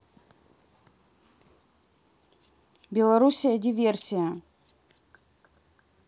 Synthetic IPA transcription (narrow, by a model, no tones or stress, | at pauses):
bʲɪlˠɐɾusʲijədʲɪvʲersʲɪjə